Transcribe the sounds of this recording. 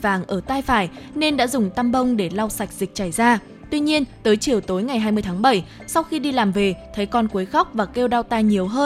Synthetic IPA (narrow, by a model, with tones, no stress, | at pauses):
vaː˨˩ŋʔəː˧˩t̪aː˧jfaː˧˩jne˧nɗa̰ː˧˥zʊ˨˩ŋ͡mt̪a˧mɓə˧wŋ͡mɗe˧˩la˧wsa˨˩jk̟̚zi˨˩k̚t͡ɕa˧˩jzaː˧ | t̪wi˧ɲi˧ənt̪əː˨˦jt͡ɕi˨˩əwt̪o˨˦jŋa˨˩jɦaː˧jmɨ˧əjt̪ʰaː˨˦ŋɓə˧˩j | sa˧wxi˧ɗi˧laː˨˩mve˨˩t̪ʰə˨˦jkɔ˧nku˨˦əjxɔ˦˥wk͡p̚vaː˨˩ke˧wɗa˧wt̪aː˧jɲi˨˩əwɦəː˧